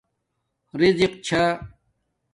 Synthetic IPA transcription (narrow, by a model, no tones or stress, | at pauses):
ɾiziqt͡ɕʰa